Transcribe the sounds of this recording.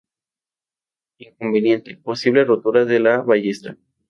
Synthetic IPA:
iŋko̞mbe̞nje̞nt̪e̞po̞siβ̞le̞ro̞t̪uɾaðe̞laβaʝest̪ɾa̰

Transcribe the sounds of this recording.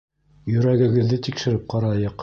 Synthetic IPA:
jɵ̆ɾæɡɘ̆ɡɘ̆ðːɘt̪ikʃɘ̆ɾɘp̚qɑɾɑjɤq

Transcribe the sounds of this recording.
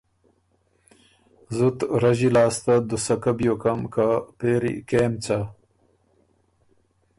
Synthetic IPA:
zut̪ɾaʑilaːst̪ad̪usɐkabjokamkapeːɾḭkeːmt͡sa

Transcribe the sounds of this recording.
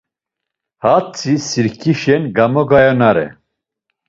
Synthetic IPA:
hat͡sʰisiɾkʰiʃɛnɡamɔɡajɔnaɾɛ̰

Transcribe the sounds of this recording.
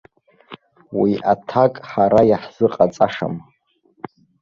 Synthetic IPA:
wiʔatʰakʼħaɾajaħz̥ɨqʼat͡sʼaʂa̰m

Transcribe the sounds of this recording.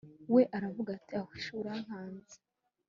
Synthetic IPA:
we̞ʔaɾavuɡatiahiʃuɾaŋaːnzi

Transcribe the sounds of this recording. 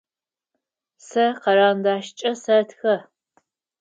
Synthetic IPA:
sɐqɐɾaːndaːʃt͡ʃʼɐsɐtxɐ

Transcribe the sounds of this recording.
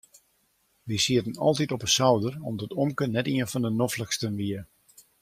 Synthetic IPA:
ʋisiətənɑ̰lˠtitɔpəsawdərɔmdɔtʰɔmkənːɛtiənfɔndənɔfləkstənʋiə

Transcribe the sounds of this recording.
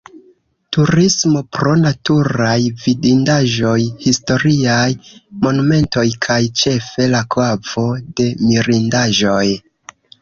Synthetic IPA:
tuɾismo̞pɾo̞natuɾajvidindaʒo̞jhisto̞ɾiajmo̞nume̞nto̞jkʰajt͡ʃe̞fe̞lakav̥o̞de̞miɾindaʒo̞j

